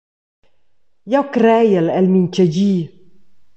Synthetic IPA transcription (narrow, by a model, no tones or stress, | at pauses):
jawkɾɛjəlɛlmint͡ʃəɟiː